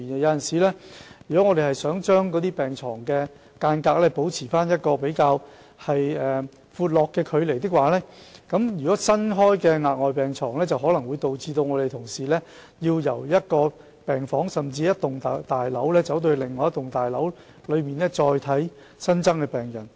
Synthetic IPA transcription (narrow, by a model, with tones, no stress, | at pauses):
nɛ˨˧jɐ˨˧wjɐ˨nsiː˨˩lɛː˥jyː˨˩kɔ˨˥ŋɔː˨˧d̪e˨hɐ˨jsœː˨˥ŋt͡ʃœː˥ŋkɔː˨˥t̪̬iː˥pɛː˨˩ŋt͡sʰɔː˨˩ŋkɛː˧ | kaː˧nkaː˧˥k̚lɛː˥po˨˥wt͡sʰiː˨˩faː˥njɐ˥t̚kɔː˧pe˨˥jkaː˧w | hɐ˨jɛː˨ | fuː˨˧t̚lɔː˨kːɛː˧kʰɵ˨˧ɥle˨˩jt̪ɪ˥k̚waː˨lɛː˥kɐ˨˥mjyː˨kɔː˨˥sɐ˥nɦɔː˥jkɛː˧ŋaː˨˧t̚ŋɔː˨˩jpɛː˨ŋt͡sʰɔː˨˩ŋlɛː˥t͡sɐ˨wɦɔː˨˥lɐ˨˩ŋwuː˨˧jt̪o˨wt͡siː˧t̪o˧wŋɔː˨˧ɾe˨jt̪ʰʊ˨˩ŋsiː˨˩lɛː˥ | jiː˧wjɐ˨˩wjɐ˥t̚kɔː˧ | pɛː˨ŋfɔː˨˥ŋsɐ˨˩mt͡siː˧jɐ˥t̚t̪ʊ˨ŋ˨t̪aː˨jlɐ˨˥wlɛː˥t͡sɐ˨˥wt̪̬ɵ˧ɥlɪ˨˩ŋːɔː˨˦jɐ˥t̪ʊ˨ŋt̪aː˨jlɐ˨˥w | lɵ˨˧ɥmiː˨nlɛ˥t͡sɔː˧jt̪ʰɐ˨˥j | sɐ˥nt͡sɐ˥ŋkɛː˧pɛː˨˩ŋjɐ̰˨˩n